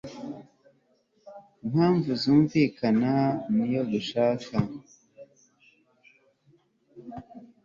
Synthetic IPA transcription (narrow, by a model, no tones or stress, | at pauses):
imhaːɱvuzuːɱviːkʰananijo̞ɡuʃaːka